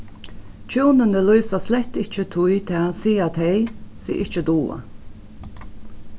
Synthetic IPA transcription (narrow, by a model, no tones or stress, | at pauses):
t͡ʃuːnənəlɔʏsaslɛht̪ɪht͡ʃət̪ʰʊjt̪ʰɛasiːat̪ʰɛjsḭʔɪt͡ʃəd̪uːa̰